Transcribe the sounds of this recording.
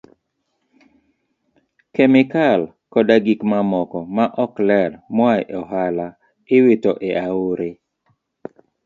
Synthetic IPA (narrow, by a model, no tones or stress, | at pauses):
kɛmɪkal | kɔdaɡikmamɔkɔmaʔɔklɛdmwajʔɔɦala | ɪwitoʔeʔaoɾe